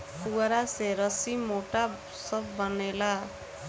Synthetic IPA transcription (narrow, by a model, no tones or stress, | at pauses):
puɡaɾaseɾʌsimoʈa | sʌbbʌnela